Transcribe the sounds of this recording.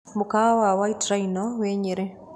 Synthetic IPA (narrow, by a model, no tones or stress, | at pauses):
mʊkawawaitɾainɔweɲeɾe